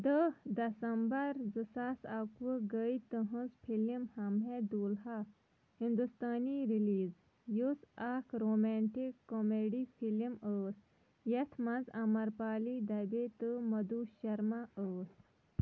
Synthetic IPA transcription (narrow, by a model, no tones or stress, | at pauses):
d̪əhd̪ɐsɐmbɐɾzɨsaːsakʋɨɡəit̪əɦə̃zpʰilimhɐmɦed̪uːlɦa | hind̪ust̪aːniɾiliːz | jusakʰɾoːmɛɳʈikːomeːɖipʰiliməːs | jɐt̪ʰmɐnzɐmɐɾpaːlid̪ɐbeːt̪ɨmɐd̪uːʃɐɾmaəːs